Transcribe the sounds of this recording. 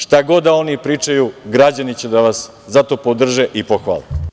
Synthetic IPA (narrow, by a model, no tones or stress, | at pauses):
ʃt̪aɡo̞d̪ao̞nipɾiːt͡ʃajuɡɾad͡ʑanit͡ɕed̪aʋas | zat̪o̞pod̪r̩ʒeʔipoxʋa̰le